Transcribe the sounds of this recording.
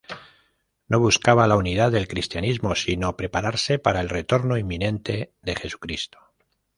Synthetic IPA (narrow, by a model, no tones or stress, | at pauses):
no̞β̞uskaβalauniðaðe̞lkɾist̪janizmo̞sino̞pɾe̞paɾaɾse̞paɾaelre̞t̪o̞ɾno̞imːĩnẽ̞nt̪e̞ðe̞xe̞su̥kɾist̪o̥